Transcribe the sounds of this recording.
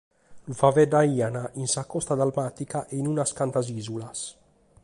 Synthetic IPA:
lufavɛd̪aianaʔinsakɔst̪ad̪almat̪ikaʔeinunaskant̪azizulas

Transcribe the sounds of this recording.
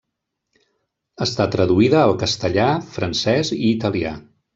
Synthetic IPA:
əst̪at̪ɾəðuiðəːlˠkəst̪əʎafɾənsɛziːt̪əlia

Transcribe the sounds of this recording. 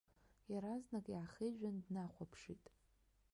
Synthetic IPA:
jaɾaznakʼjaʕːχeʒᶣandnaχʷapʰʂitʼ

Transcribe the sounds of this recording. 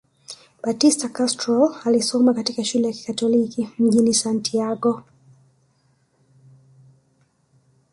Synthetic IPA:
batistakastɾɔlalisɔmakatikaʃulɛjaki̥katɔlikim̩ʄinisantʰiaɡɔ

